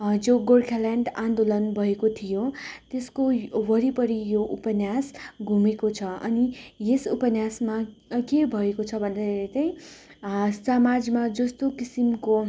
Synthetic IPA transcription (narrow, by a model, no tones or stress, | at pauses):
d͡zoɡolkʰalaɳɖãnd̪olʌnbʱʌekot̪ʰijot̪eskowʌɾipʌɾijoʔupʌnjasɡʱumekot͡sʰʌʌ̰nijesupʌnjasmakebʱʌekot͡sʰʌbʱʌnd̪aeɾet͡sʌĩ | samad͡zmad͡zʌst̪okisimko